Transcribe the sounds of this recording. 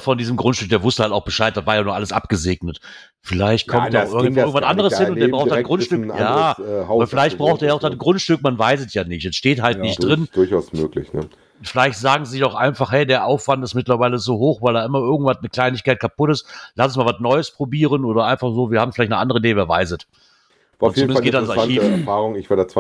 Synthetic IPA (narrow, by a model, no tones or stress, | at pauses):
fɔndiːzəmɡʁʊntʃtʏk̚d̥eːɐvʊstəhaltaʊxb̥əʃaɪt̚d̥atv̥aːjanuːʔaləsʔa̰pɡ̥əzeːɡnət | fɪlaɪçt̚kʰɔmttd̥aaʊxɪɡ̩fɪɡŋtvatʔandəʁəshɪnʊndeːɐbʁaʊxtaɡʁʊntʃtʏkjaːafɪlaɪçt̚b̥ʁaʊxteːɐjaʊxd̥atɡ̥ʁʊntʃtʏk̚manvaɪs̬ɛtjaːnɪçtɛsʃteːthaltnɪçtd̥ʁɪnd̥ʊɐçaʊsmøːklɪçnə̰ | nfɪlaɪçtz̥aːɡŋ̩zizɪçaʊxʔa̰ɪnfaχhɛɪdeːɐʔaʊfv̥antɪstmɪtlɐvaɪləzoːɦoːxvaɪldaːʔɪmɐʔɪɐɡŋ̩tv̥atnəkl̥aɪnɪçkaɪt̚kʰapʊtɪstlasnsmaːlvatnɔʏəspʁ̥obiːʁənoːɾɐʔaɪnfaχz̥oːviːɐhaːbm̩fɪlaɪçtnəʔa̰ndəʁəideːveːɐva̰ɪsətː | jʊmɪnsɡeːtansaɐiːfɛɐfaːʁʊŋɪçv̥aɐdat͡s